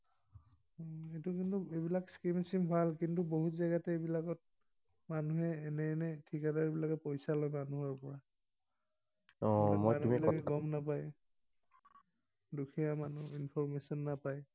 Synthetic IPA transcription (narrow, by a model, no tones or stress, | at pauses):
etukintuebilakskimsimbʱalkintuboɦutzaɡatɛebilakɔt̚ | manuɦɛːnɛːnɛtʰikadaɹbilakɛpojsalɔjmanuɦɔɹpɔɹa | ɔmojumilakɛɡɔmnapaj | dukʰijamanuinpʰɔɹmesɔnːapaj